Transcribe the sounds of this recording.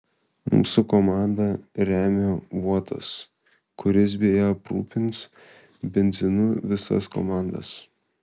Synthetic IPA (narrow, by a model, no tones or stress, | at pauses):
mṵːsʊkoːmɑˑnd̪ɐɾʲæːmʲoʋuɔt̪ʰɐ̰s | kʊɾʲɪs̬bʲejopɾṵːpʲɪns | bʲɛnʲd̪zʲɪnʊʋʲɪsɐ̰sko̰ːmɑˑnd̪ɐ̰s